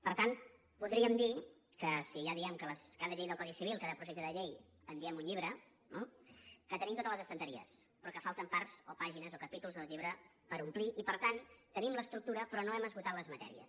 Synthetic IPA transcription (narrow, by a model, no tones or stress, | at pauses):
pəɾt̪an | puðɾiəmd̪i | kəsiʒaðiɛmkələskaðəʎejðəlˠkwaðiəsiβ̞ilˠkaðəpɾuʒɛk̚t̪əðəʎej | əmbiɛmuɲʎiβ̞ɾə | nokət̪ənimt̪ot̪ələzəst̪ənt̪əɾiə̰spɾɔkəfalˠt̪əmpaɾz̥opaʒinəzokəpit̪ulˠzðəlˠʎiβɾə | pəɾumpliʔipəɾt̪ant̪ənimləst̪ɾuk̚t̪uɾəpɾɔnoɛməzɣut̪at̪ləzmət̪ɛ̰ɾiə̰s